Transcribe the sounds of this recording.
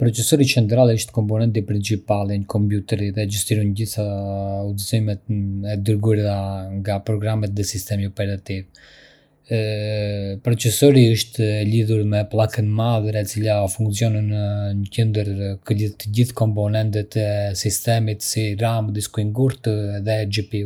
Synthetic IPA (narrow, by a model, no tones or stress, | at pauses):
pɾɔt͡sɛsɔɾit͡ʃɛnd̪ɾalɛəʃt̪kɔmpɔnɛnt̪̬ipɾint͡ʃipalɛɲəkɔmpjut̪ɛɾiðɛd͡ʒust̪iɾɔnɟiθaud̪zimɛt̪ɛd̪əɾɡuɾaŋɡapɾɔɡɾamɛt̪ðɛsist̪ɛmiɔpɛɾat̪iv | pɾɔt͡sɛsɔɾiəʃt̪əliðuɾmɛplˠakənmaðəɾɛt͡silafuŋksijɔnənɲəcɛnd̪əɾkəliðt̪əɟiθkɔmpɔnɛnt̪ɛt̪ɛsist̪ɛmit̪siɾamd̪iskuiŋɡuɾt̪ðɛd͡ʒɛpi